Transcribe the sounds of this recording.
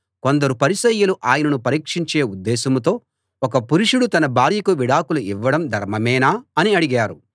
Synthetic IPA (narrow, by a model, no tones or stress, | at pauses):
ko̞nd̪ɐɾupɐɾisɐjːɐluʔaːjɐnɐnupɐɾiːkʂiɲt͡ʃeːud̪ːɛːsɐmt̪o̞ː | ɔkɐpuɾuʂuɽut̪ɐnɐbaːɾjɐkuʋiɽaːkuluiʋːɐɽɐmd̪ʱɐɾmɐmɛːnaːɐniɐɽiɡaːɾu